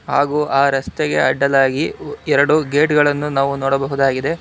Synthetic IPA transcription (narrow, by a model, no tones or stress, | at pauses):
haːɡuːʔaːɾɐst̪eɡe̞̰ɐɖːɐlaːɡiɛɾɐɽuɡeːʈɡɐɭɐnːunaːʋunɔːɽɐbɐɦud̪aːɡid̪e̞